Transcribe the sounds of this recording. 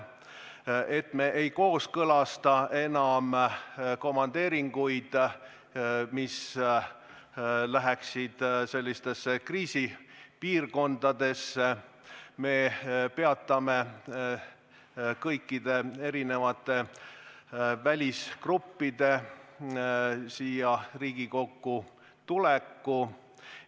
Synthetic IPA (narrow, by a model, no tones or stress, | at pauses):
e̞t̪me̞ʔejko̞ːskɤlɑst̪ɑʔe̞nɑmko̞mːɑnd̪̥e̞ːɾiŋɡ̥ujd̪̥ | mis | læɦeksid̪̥se̞lʲːist̪e̞sːekriːsipiːrko̞nd̪̥ɑd̪̥e̞sːe | me̞pe̞ɑt̪ˑːɑme | kɤjkːid̪e̞e̞ɾinevɑt̪ːˑe̞ | vælʲiskrupːid̪̥e̞ | siːjɑriːɡ̥iko̞kːu | t̪ulekːu